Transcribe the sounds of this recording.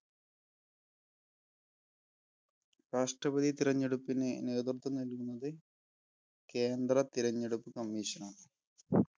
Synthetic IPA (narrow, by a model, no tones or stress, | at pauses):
raːʂʈrɐbɐðʱit̪iɾɐɲːeɽupːinɨne̞ːt̪̬rt̪ʰːɐnɐlkunːɐðɨ | ke̞ːnd̪rɐt̪iɾɐɲːeɽupːɨkɐmːiːɕɐnaːm